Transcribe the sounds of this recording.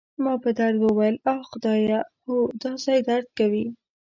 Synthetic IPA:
mɑpəd̪aɾd̪wəwajəlɑxʊd̪ɑjaxod̪ɑsajd̪aɾd̪̚kawi

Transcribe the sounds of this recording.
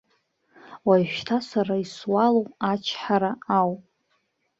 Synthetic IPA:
wajʃᶣtʰasaɾaiswalowat͡ʃʰħaɾaawpʼ

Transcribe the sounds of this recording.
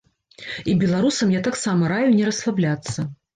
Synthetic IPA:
ibʲɛlˠaɾusɐmjat̪aksamɐɾajunʲɛɾɐslˠablʲat̪sːɐ

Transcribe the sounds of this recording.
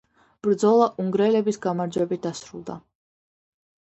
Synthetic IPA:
b̥ɾd̪zɔlˠaʔuŋɡɾɛlɛbisɡamaɾd͡ʒwɛbit̪̚d̪asɾṵlˠd̪a

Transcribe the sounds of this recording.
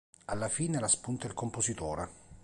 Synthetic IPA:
alːafiːnelaspunt̪ailkomposit̪ɔːɾe

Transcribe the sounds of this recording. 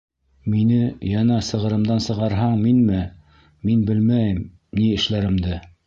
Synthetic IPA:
minɘjɑnɑsɤ̆ʁɤ̆ɾɤ̆md̪ɑnsɤ̆ʁɑɾɦɑɴminmɘ | minbɘlmæjɘm | niɘ̆ʃlæɾɘ̆md̪ɘ

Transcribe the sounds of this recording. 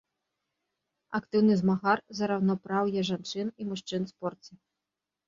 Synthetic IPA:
akt̪ɨwnɨzmaɣarzɐɾawnɔpɾawjɛʐant͡ʂɨnimuʂt͡ʂɨnspɔrt͡sʲi

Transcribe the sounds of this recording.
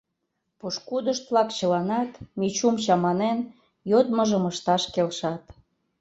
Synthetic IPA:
puʃkud̪əʃt̪̚βlɑkt͡ɕəlɑnɑt̪mit͡ɕumt͡ɕɑmɑnen | jot̪məʒəməʃt̪ɑʃkelʃɑt̪

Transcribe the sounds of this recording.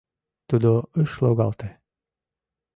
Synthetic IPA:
t̪ud̪oəʃlˠoɣɑlt̪e

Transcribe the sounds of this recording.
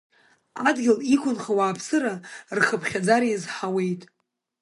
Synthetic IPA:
adɡʲɪlikʷʰʼʊnχawaːpʰsɨɾarχəpʰχʲad͡zaɾjazħawe̞jtʼ

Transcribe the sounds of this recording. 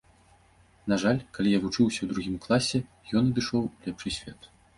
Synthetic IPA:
naʐalʲkalʲijavut͡ʂɨwsʲɐwd̪ɾuɣʲimklˠasʲɛ | jɔnɐd̪ɨʂɔwlʲɛpʂɨsʲfʲɛt̪

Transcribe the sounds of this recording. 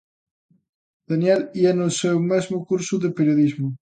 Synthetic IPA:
d̪̥anjɛliɛnosewmɛzmʊkuɾsʊðepeɾjoðizmʊ

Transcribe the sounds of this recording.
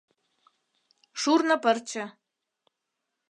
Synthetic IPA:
ʂurnapərt͡ʃʰa

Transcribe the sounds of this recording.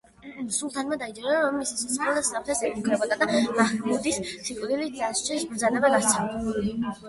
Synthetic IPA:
sulˠt̪ʰanmad̪aid͡ʒɛɾaɔmisisɔsχɔlasapt̪ʰɛsɛmukʰɾɛbɔd̪ad̪amaχkmud̪issikʼɾilid̪ast͡ʃʰisbɾzad̪ɛbaɡast̪sʰad̪ɛuli

